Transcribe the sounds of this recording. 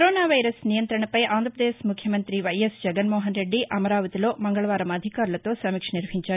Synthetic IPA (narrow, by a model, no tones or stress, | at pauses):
ɾoːnaːʋɐjɾɐsnijɐnt̪ɾɐɳɐpɐjʔaːnd̪ɾɐpɐd̪eːsmukʰjɐmɐnt̪ɾiʋɐjesd͡ʒɛɡɐnmɔːɦɐnɾeɖːiʔɐmɐɾaːʋɐt̪iloːmɐŋɡɐɭɐʋaːɾɐmɐd̪ʱikaːɾlɐt̪oːsɐmikʂɐniɾʋɦiɲt͡ʃaː